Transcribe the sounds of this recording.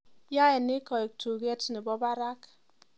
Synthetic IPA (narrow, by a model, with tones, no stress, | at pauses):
ja˦ɛ˨nɪ˦kɔ˨e˨k̚tʰu˨ɡɛ˦tni˨bɔ˦ba˦ɾa˦k